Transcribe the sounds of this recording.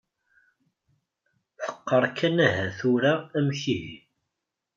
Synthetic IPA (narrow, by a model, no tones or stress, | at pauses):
θə̥qːəɾˤkːænæɦæθuɾaæmçiʝ